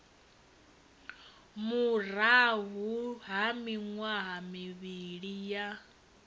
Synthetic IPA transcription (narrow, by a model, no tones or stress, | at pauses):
muɾaɦuɦamiŋwaɦamiβiɺija